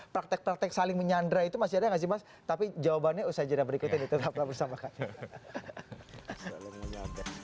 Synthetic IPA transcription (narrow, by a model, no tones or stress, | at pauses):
pɾak̚t̪ɛk̚pɾak̚t̪ɛksalɪŋməɲandɾait̪umas̬iadaŋas̬ibas | t̪apid͡ʒawabanɲausad͡ʒadabəɾikut̪ɪnit̪ut̪aplabərsamakad͡ʒa | sa̰lɪŋməɲada